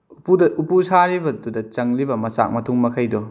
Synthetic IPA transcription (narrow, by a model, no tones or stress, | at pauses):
upudɐʔupusaɾibɐdudɐt͡ʃɐŋlibɐmɐsa̰k̚mɐtʰuŋmɐkʰɐjdɔ